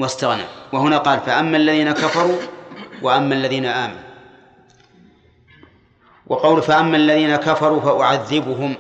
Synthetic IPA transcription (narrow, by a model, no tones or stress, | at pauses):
wast̪aɣna̰wahʊnaːqɑːlfaʔamːalːaðiːnakafɑɾˤuːwʔaʔamːalːaðiːnaʔaːmanu | wʔɑqɑwlʊhfaʔamːalːaðiːnakafɑɾˤuːfaʔʊʕaðːɪbʊɦʊm